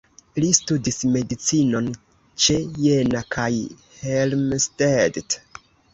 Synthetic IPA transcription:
listudisme̞dit͡sino̞n | t͡ʃe̞je̞nakʰaj | helmstedt

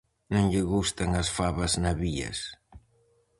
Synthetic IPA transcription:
nõŋʎɪɣust̪ɐŋɐsfaβɐznaβiɐ̰s

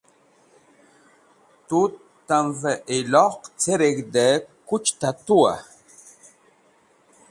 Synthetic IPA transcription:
tu | taɱvəʔelɔqt͡seɾek̚dəkut͡ʃtatua̰

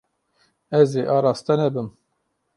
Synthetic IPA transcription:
ɛzeːʔɑːɾɑːst̪ɨnɛbɨm

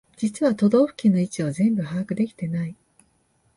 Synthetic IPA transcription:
d͡ʑit͡sɨβat̪o̞d̪o̞ːɸɯ̟̥kʲinːo̞it͡ɕio̞zẽ̞mbɯ̟haakɯ̟d̪e̞kʲi̥t̪e̞nai

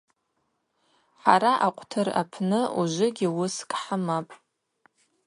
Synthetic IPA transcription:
ħaɾaʔaqʷʼtʰɨra̰pʰnɨuʒʷɪɡʲɪwʊskʼħamapʼ

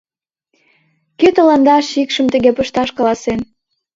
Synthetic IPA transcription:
køt̪əlɑnd̪ɑʃikʃəmt̪əɣepəʃt̪ɑʃkɑlɑsen

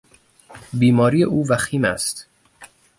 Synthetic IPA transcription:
biːmɒːɾiːeʔuːvæxiːmæst̪

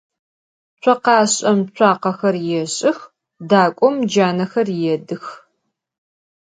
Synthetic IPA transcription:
t͡ʃʷʰɐqɑːɕʼɐmt͡ɕʷʰɑːqɐxɐrjɛɕʼɪx | daːkʷʼɔmd͡ʒaːnɐxɐrjɛdɨx

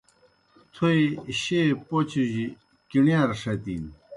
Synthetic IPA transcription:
t̪ʰoiɕepot͡ɕʰiʑi | kiɳjaɾʂɐt̪ḭn

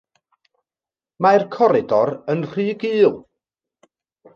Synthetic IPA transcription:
markʰɔɾɪdɔɾənr̥ɨːɡɨːlˠ

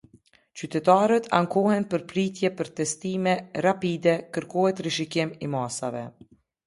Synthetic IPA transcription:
t͡ʃyt̪ɛt̪aɾət̪ʰa̰ŋkɔhɛnpəɾpɾit̪jɛpəɾt̪ɛst̪imɛɾapid̪ɛkəɾkɔɦɛt̪ɾiʃikɪmimasa̰vɛ̰

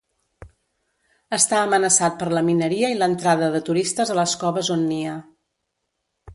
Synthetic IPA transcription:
əst̪aəmənəsat̪̚pəɾləminəɾiəilənt̪ɾaðəðət̪uɾist̪əzələskɔβəzonːiə

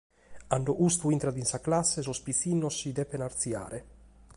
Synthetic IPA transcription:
aɳɖoʔust̪uint̪ɾad̪insaklasːes̬ospisinːosːid̪ɛpenaɾt̪sja̰ːɾʔe

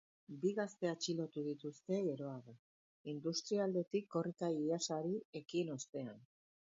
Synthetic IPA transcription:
biɣast̪e̞at͡ʃilo̞t̪uð̞it̪ust̪e̞eɾo̞aɣo | ind̪ust̪ɾiald̪e̞t̪ikːo̞rik̪aiasaɾie̞kino̞st̪e̞an

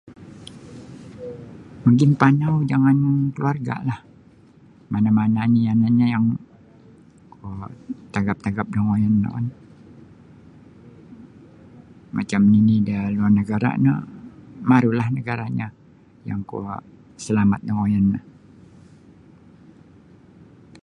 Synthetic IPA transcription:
məŋɡinpanawd͡ʒaŋankəluarɡa̰lah | manamananianaɲajaŋ | kut̪aɡap̚t̪aɡap̚dəŋojanːa̰ka̰n | mʔa̰t͡ʃamninidaluarnəɡaɾa̰nə | maɾulahnəɡaɾaɲa | ja̰ŋkṵ | səlamat̪̚dəŋojanːəh

